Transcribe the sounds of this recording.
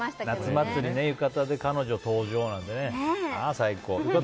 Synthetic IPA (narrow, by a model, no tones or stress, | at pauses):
nat͡sɨmat͡sːɨɾʲine̞jɯ̟kat̪ad̪e̞kano̞ʑo̞t̪o̞ːʑo̞ːnãnd̪e̞neaaːsaikoːjɯka